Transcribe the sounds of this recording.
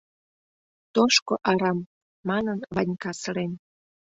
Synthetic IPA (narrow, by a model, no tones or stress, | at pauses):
t̪oʃkoʔɑɾɑmː | ɑnənβɑnʲkɑsəɾen